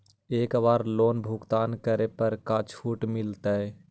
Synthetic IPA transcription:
eːkbaːɾloːnbʱʊkt̪aːnkəɾepəɾkat͡ʃʰuːʈmɪlt̪ə

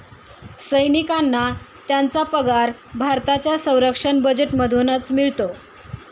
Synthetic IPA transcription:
səjnikanːa | t̪jant͡sapəɡaɾbʱaɾt̪at͡ɕjasə̃w̃ɾəkʂəɳbəd͡ʑeʈməd̪ʱonət͡smiɭt̪o

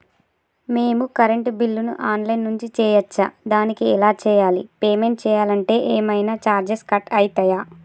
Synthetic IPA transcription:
meːmukɐɾeɳʈbilːunṵʔaːnlɐjnːuɲt͡ʃit͡ʃɛːjɐt͡ʃːad̪aːnikiɛlaːt͡ʃɛːjaːlḭpeːme̞ɳʈt͡ʃɛːjaːlɐɳʈe̞ːʔeːmɐjnaːt͡ʃaːɾd͡ʒeskɐʈɐjit̪ɐjaː

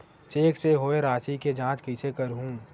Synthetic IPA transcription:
t͡ʃeːkseɦoːeɾaːt͡ʃiked͡ʒãːt͡ʃkisekəɾɦũː

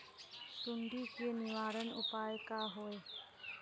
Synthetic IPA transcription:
suɳɖikiniwaɾənṵpaekaɦoj

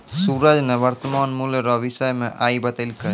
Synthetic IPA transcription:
suɾad͡ʒnebaɾt̪ɔmanmuleɾɔbisɔjmeʔajbat̪alka

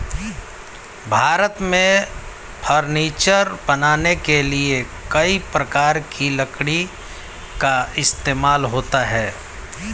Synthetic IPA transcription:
bʱaːɾət̪mẽ | pʰəɾniːt͡ʃəɾbɐnaːnekeliekɐipɾəkaːɾkʰilɐkɽi | kaɪst̪eːmaːlɦoːt̪aɦɛː

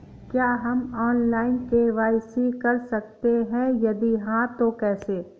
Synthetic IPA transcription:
kjaːɦɐmɔːnlaːɪnkeʋaːɪsikɐɾsɐk̚t̪eɦɛ̃jɐd̪iɦãt̪okɛːseː

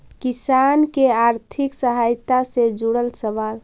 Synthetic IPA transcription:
kisankeaɾt̪ʰiksəɦajt̪ased͡ʒuɽəlsəʋal

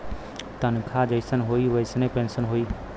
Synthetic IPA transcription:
t̪ɐnkʰad͡ʒəɪsənɦoːiʋɐɪsnẽpẽnsənɦoːiː

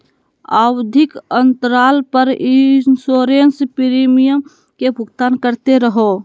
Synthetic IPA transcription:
a̰wd̪ʱɪkənt̪ɾaːlpəɾinsoːɾenspiɾimijəm | kebʱʊɡt̪aːnkəɾt̪eɾəɦo

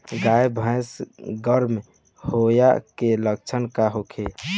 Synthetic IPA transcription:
ɡajbʱə̃jsɡəɾm | hoja̰kelək̚t͡ʃʰənkaɦokʰe

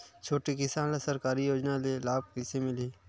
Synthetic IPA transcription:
t͡ʃʰoːʈikɪsãːnlasəɾkaːɾijoːd͡ʒnalelaːb̚kɪsemɪliː

